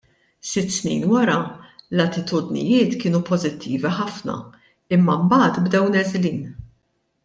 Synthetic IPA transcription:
sɪt̪ːsnḭːnwɐɾɐlɐt̪ɪt̪ʊd̪nɪ̰jɪːt̪kɪːnupɔzɪt̪ʰːiːviħɐfnɐ̰ | ɪmːɐmbɐːt̪bd̪ɛwnɛzliːn

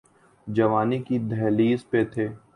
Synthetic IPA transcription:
d͡ʒɐʋaːnikid̪ʱɛːliːzpet̪ʰeː

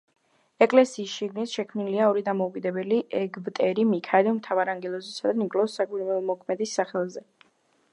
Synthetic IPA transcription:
ɛkʼlɛsiːsʃiɡnit̪ʃɛkʰmniliaɔɾid̪amɔukʼid̪ɛbɛliʔɛɡvt̪ʼɛɾimikʰaɾiɔmt̪ʰavaɾaŋɡɛlˠɔzɛsad̪anikʼlˠɔsːakʼiɾwɛlɔmɔkʰmɛd̪isːaχɛlˠzɛ

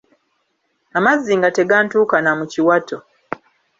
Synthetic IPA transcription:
amazːiŋɡate̞ɡaːntuːkanamuciwatʰo̞

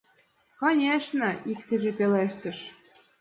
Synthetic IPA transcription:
konʲeʃnɤ̆ikt̪əʒepeleʃt̪ə̆ʃ

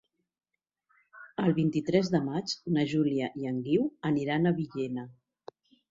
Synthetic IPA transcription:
əlˠβint̪it̪ɾɛzðəmat͡ʃnəʒuliəʔiəŋɡiwəniɾanəβiʎenə

